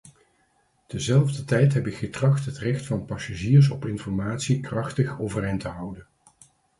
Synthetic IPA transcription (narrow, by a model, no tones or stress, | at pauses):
d̥əzɛlˠvdətɛjtɦɛpɪkχətrɑχtɦətrɛxtfɑnpɑsaʒiːɹs̬ɔpɪnfɔɹmaːtsikrɑχtəχowvərɛjntəɦʌwdən